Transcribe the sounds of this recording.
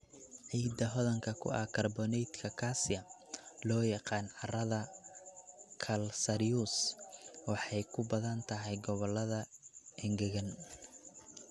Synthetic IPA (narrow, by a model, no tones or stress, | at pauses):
ʕiːd̪ɐɦɔðɐŋkʰɐkʰʊ̰ʔɐ̰kʰɐrbɔnɛjt̪kʰɐkʰasɪjɐlɔːjɑqɑːnʕɑrɐðɐ | kʰɐlsɐɾijuswɑħɑjkʰʊbɐðɐnt̪ʰɐɦɛjɡɔβɔlːɐðɐʔɛŋɡɐɣɐn